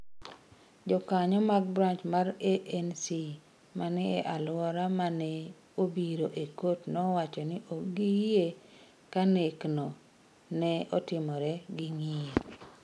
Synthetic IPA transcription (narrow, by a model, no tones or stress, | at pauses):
d͡ʒɔkaɲɔmaɡ̚bɾant͡ʃmaɾeʔɛnsi | manɛɛʔalwɔɾamanɛ | obiɾoʔekotnɔwat͡ʃɔnɪʔoɡije | kanekno | nɛɔtɪmɔɾɛɡiŋie